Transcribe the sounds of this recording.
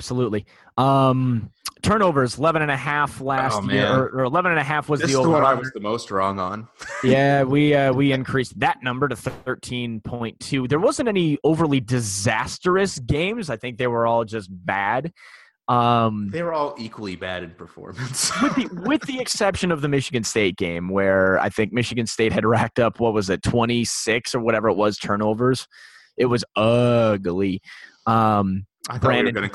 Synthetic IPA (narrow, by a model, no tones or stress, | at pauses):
b̥səlutˡli | ʔʌ̃mtʰɜ̃˞ñoʊvə˞ɨzəlɛvɨ̃ñɨ̃nɨɦæflæsojɪɹə˞ə˞əlɛvə̃ñɨ̃nɨɦæfwʌzðɪðioʊzwʌɾaɪwʌzðəmoʊst̚ɹɔ̃ŋə̃njæwiʌwiɨ̃nkʰɹ̥isðɨtⁿnʌ̃mbə˞ɾɨθɜ˞tʰĩnpʰɔ̃ɪ̃ntʰʉðə˞wʌzɨ̃ntɛnioʊvə˞lidɨzæstə˞ɨsɡ̥ẽɪ̃mzaɪθɪ̃ŋk̚ðeɪwə˞ɔlˠd͡ʒʌs̚b̥æd̥ | ʌ̃mðeɪwə˞ɔlˠikwl̩ˠibæ̰ɾɨ̃npʰə˞fɔ̰ɹmɨ̃nswɨðiwɪððiɨksɛpʃɨ̃nʌvðɨmɪʃɨɡɨ̃nsteɪt̚ɡ̥ẽɪ̃mwə˞a̰ɪθɪ̃ŋk̚mɪʃɨɡɨ̃nsteɪt̚hɨd̚ɹæk̚tʌpʰwʌt̚wʌzðɨtʰw̥ɛ̃ɾ̃isɪksə˞wʌɾɛvə˞ət̚wʌz̥tʰɜ̃˞ñoʊvə˞z̥ | ɨt̚wʌzʌɡlˠi | ʌ̃m̥ | ɹæ̃nnɨ̃